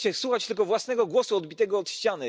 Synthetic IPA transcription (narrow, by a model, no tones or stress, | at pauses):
t͡ɕɛswuxat͡ɕt̪ɘlk̬ɔvwasnɛɡɔɡwɔsuɔd̪bʲit̪ɛɡɔːt̪ɕt͡ɕanɘ